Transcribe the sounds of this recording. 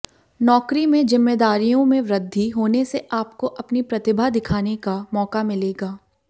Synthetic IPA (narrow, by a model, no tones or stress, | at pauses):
nɔːkɾimẽzɪmːeːd̪aːɾijõmẽʋɾəd̪ʱːiɦoːneseʔaːpkoʔɐpnipɾɐt̪ɪbʱad̪ɪkʰaːnekamɔːkamɪleːɡaː